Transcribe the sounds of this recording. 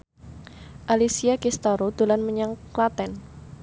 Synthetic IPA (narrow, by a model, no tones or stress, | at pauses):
ʔalisiakist̪aɾod̪̥o̤lanməɲaŋklat̪ɛn